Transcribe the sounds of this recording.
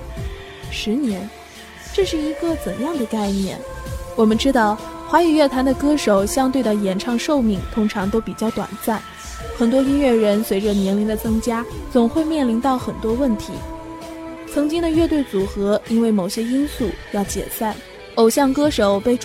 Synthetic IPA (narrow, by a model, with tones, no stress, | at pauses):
ʂɻ̩˧˥njɛ˧˥n | ʈ͡ʂɤ˥˧ʂɻ̩˥˩i˧˥ɡə˧t͡sə˨˩njɑ˥˩ŋd̪ə˩ka˥˧ɪnjɛ̰˥˩nwɔ˨˩mə˦nʈ͡ʂɻ̩˥t̪ɑ˥˩ʊxwa˧˥i˨˩ɥɛ˥˩t̪ʰa˧˥nd̪ə˨kɤ˥ʂo˨˩ʊɕjɑ˥ŋt̪we˥˩ɪd̪ə˩jɛ˧˩nʈ͡ʂʰɑ˥˧ŋʂo˥˧ʊmi˥˩ŋt̪ʰʊ˥ŋʈ͡ʂʰɑ˧˥ŋt̪o˥ʊpi˨˩t͡ɕjɑ˥˩ʊt̪wa̰˨˩nsa˥˩n | xə˨˩nt̪wɔ˥i˥nɥɛ˥˩ɻə˧˥nswe˧˥ɪʈ͡ʂə˧njɛ˧˥nli˧˥ŋd̪ə˨t͡sɤ˥ŋt͡ɕja˥t͡sʊ˨˩ŋxwe˥˧ɪmjɛ˥˩nli˧˥nt̪ɑ˥˩ʊxə˨˩nt̪wɔ˥wə˥˩nt̪ʰḭ˧˥ | t͡sʰɤ˧˥ŋt͡ɕi˥ŋd̪ə˨˧ɥɛ˥˧t̪we˥˩ɪt͡su˨˩xɤ˧˥i˥nwe˥˩ɪmo˨˩ʊɕjɛ˥i˥nsu˥˩jɑ˥˩ʊt͡ɕjɛ̰˨˩sa˥˩n | o˨˩ʊɕjɑ˥˩ŋkɤ˥ʂo˨˩ʊpe˥˩ɪʈ͡ʂ